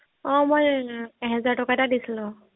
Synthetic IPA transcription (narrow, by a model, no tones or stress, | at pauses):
ɔ̃mojɛɦɛzaɹtɔkatadisilʊ̃